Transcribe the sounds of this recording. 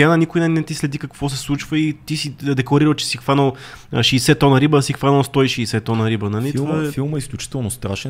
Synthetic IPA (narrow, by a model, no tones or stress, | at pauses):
anɐnikʊjnɛnɛt̪islɛd̪ikɐkvɔsɛslˠut͡ʃvəit̪isid̪ɛklˠɐɾiɾəlt͡ʃɛ̥sixv̥anəlˠʃɛːsɛt̪ɔnəɾibəːsixvanəlˠst̪ɔiʃɛːsɛt̪ːɔnəɾibənɐlit̪ˠɛfilˠməisklʲut͡ʃi̥t̪ɛlˠnost̪ɾaʃɛ